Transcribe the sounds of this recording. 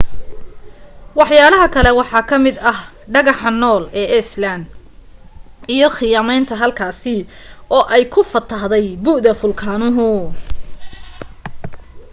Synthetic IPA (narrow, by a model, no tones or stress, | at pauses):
wɑħjaːlɐɦɐkʰɐlɛwɑħɑːkʰɐmɪd̪ɐh | ɖɐɣɑħɑnɔːlɛːʔɛslan | ijɞχɪjaːmɛjnt̪ʰɐɦɐlkʰaːsɪ | ʔɔːʔɛjkʰʊfɐt̪ʰːɐɦðɛjbʊʔðɐfʊlkʰaːnʊɦʊ